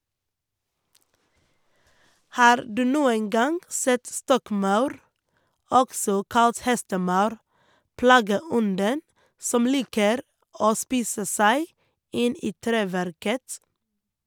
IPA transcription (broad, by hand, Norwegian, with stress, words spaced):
ˈhɑːɾ ˈdʉː ˈnuːən ˈɡɑŋ ˈsɛt ˈstɔkˌmɑʉɾ ˈɔksɔ ˈkɑlt ˈhɛstəˌmɑʉɾ ˈpɽɑːɡəˌɔndən ˈsɔm ˈliːkəɾ ˈoː ˈspiːsə ˈsæɪ ˈɪn ˈiː ˈtɾeːʋæɾkət